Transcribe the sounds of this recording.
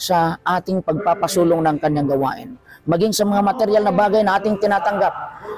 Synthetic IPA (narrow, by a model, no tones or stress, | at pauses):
sɐʔaːt̪ɪŋpɐɡ̚papɐsuːloŋnɐŋkɐɲaŋɡɐwa̰ːʔɪnmɐɡɪŋsɐmɐŋamɐt̪ɛɾjalnɐbaːɡajnɐʔaːt̪ɪŋt̪ɪnaːt̪ɐŋɡap̚